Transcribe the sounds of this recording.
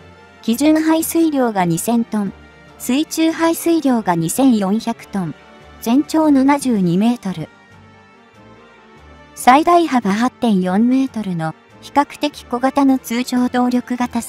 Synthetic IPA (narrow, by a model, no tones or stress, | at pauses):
kʲiʑɨ̃ɰ̃ɦaisɨiɾʲo̞ːɡaɲ̟isẽ̞nt̪õ̞n | sɨit͡ɕɨːhaisɨiɾʲo̞ːɡaɲ̟isẽ̞ɰ̃jõ̞ɰ̃çakɯ̟̥t̪õ̞n | d͡zẽ̞ɲ̟t͡ɕo̞ːnanaʑɨːɲ̟ime̞ːt̪o̞ɾɯ̟ | said̪aiɦabaɦat̪ːẽ̞ɰ̃jõ̞mːe̞ːt̪o̞ɾɯ̟no̞ | çi̥kakɯ̟̥t̪e̞kʲi̥ko̞ɡat̪ano̞t͡sɨːʑo̞ːd̪o̞ːɾʲo̞kɯ̟ɡat̪a